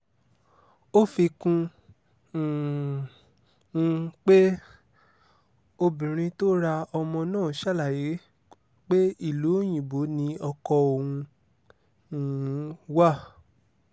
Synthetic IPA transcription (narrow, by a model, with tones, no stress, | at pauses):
o˦fi˧kũ˧˨˧ | k͡pe˦ | o˧bĩ˨ɾ̃ĩ˧to˦ɾa˧ɔ˧mɔ̃˧nãː˦˨ʃa˦˨la˨je˨˦ | k͡pe˦i˦˨lo˨˦˨j̃ĩ˨bo˨˦nĩ˧ɔ˧kɔ˧o˨hũ˧˨˦ | wa˦˨